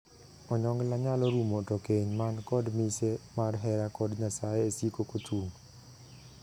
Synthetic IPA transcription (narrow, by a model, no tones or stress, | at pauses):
ɔɲɔŋɡlaɲalɔɾumotokeɲmankɔdmisemarɦɛɾakɔdɲasajeːsikokotuŋ